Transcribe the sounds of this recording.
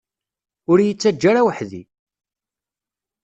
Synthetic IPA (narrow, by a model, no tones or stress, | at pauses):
ʊɾjət͡sːæd͡ʒːaɾawəħðḭ